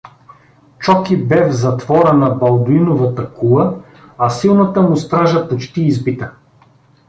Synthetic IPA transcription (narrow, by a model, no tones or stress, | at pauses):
t͡ʃɔkibɛvzɐt̪vɔɾənɐbɐlˠd̪oinovɐt̪əkulˠə | ɐsilˠnɐt̪əmʊst̪ɾaʒɐpot͡ʃt̪iːzbit̪ə